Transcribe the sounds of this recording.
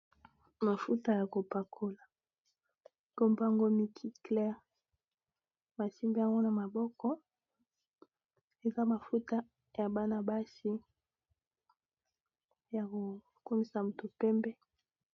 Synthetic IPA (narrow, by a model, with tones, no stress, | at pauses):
ma˨fu˦ta˦ja˨ko˨pa˨kʰo˨˦la˨ | ko˦mba˦ŋɡo˦mi˨kʰi˦klɛ˦ʁ | ma˨si˦mba˦ŋɡo˦na˨ma˨bɔ˦kɔ˦ | e˨za˦ma˨fu˦ta˦ | ja˨ba˦na˦ba˦si˦ | ja˨ko˨ | ku˦mi˦sa˨mu˨tu˨pɛ˦mbɛ˦